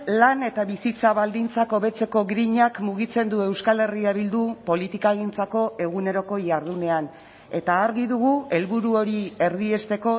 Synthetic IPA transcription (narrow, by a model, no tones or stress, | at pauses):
lane̞t̪aβisit͡saβald̪int͡sako̞βe̞t͡se̞ko̞ɡɾiɲakmuɣ̞it͡se̞nd̪ue̞wskale̞riaβild̪upo̞lit̪ikaːɣint͡sako̞e̞ɣune̞ɾo̞ko̞jaɾð̞une̞an | e̞t̪aːɾɣiðuɣue̞lβuɾuoɾie̞ɾðie̞st̪e̞ko̞